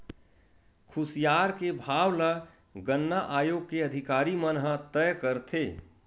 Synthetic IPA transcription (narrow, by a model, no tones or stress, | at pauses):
kʰʊsijaːɾkebʱaːwla | ɡənːaʔaːjoːɡ̚keəd̪ʱɪkaːɾimənɦət̪əjkəɾt̪ʰeː